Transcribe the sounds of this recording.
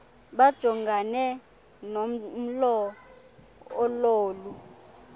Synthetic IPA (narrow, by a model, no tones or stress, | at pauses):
ɓad̥ʒ̥ʱɔŋɡʱanɛ | nom̩lɔ | loːlu